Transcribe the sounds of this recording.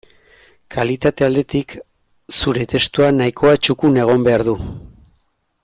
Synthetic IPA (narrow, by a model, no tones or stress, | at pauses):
kʰalit̪at̪e̞ald̪e̞t̪ik | suɾe̞t̪e̞st̪uanaikʰo̞at͡ʃukune̞ɣ̞o̞mbe̞aɾðu